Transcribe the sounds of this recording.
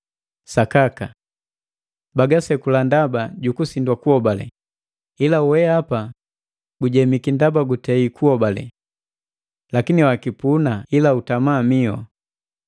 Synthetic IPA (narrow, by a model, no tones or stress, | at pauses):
sakaka | baɡasɛkulandabaɟukusindwakuɔbalɛ̰ | ilawɛapa | ɡuɟɛmikindabaɡutɛikuɔbalɛ̰ | lakiniwakipunailautamaːmiɔ̰